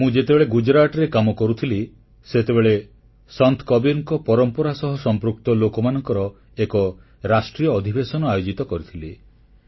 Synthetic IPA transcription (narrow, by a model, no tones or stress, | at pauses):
mũd͡ʒet̪ebeɭeɡud͡ʒɾaʈɔɾekamɔkɔɾut̪ʰili | set̪ebeɭe | sɔnt̪ʰkɔbiɾŋkɔpɔɾɔmpɔɾasɔɦɔsɔmpɾuk̚t̪ɔlokɔmanɔŋkɔɾɔ | ekɔ | ɾasʈɾijɔːd̪ʱibesɔnɔajod͡ʒit̪ɔkɔɾit̪ʰili